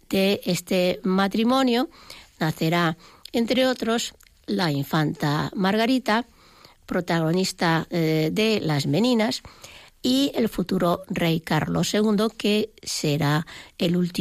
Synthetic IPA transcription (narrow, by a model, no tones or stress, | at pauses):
d̪̥eest̪emat̪ɾimõ̞njonaθe̞ɾaent̪ɾeot̪ɾo̞s | laiɱfant̪a̰maɾɣaɾit̪a | pɾot̪aɣ̞o̞nist̪aðelazmẽnĩnasielfut̪uɾorejka̰ɾlosːe̞ɣ̞und̪o̞keseɾaelult̪i